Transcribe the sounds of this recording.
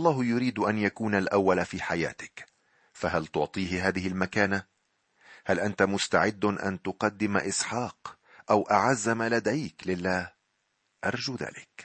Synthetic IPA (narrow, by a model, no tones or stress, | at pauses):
ʔɑlˤːɑːhjʊɾiːd̪ʔanjakuːnalʔawːalafiːħaja̰ːt̪ɪ̥k | faɦalt̪ʊʕt̪ˤiːhɪɦaːðɪhɪlmakaːna | halʔant̪amʊst̪aʕɪd̪ːʔa̰nt̪ʊqɑd̪ːɪmaʔɪsħɑːq | ʔawʔaʕazːamalad̪ajklɪlːaːh | ʔɑɾˤd͡ʒuːða̰ːlɪk